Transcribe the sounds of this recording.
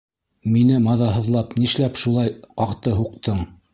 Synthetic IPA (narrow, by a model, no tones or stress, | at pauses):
minɘmɑðɑɦɤ̆ðlˠɑpniʃlæpʃulˠɑjqɑqt̪ɤɦuq̚t̪ɤɴ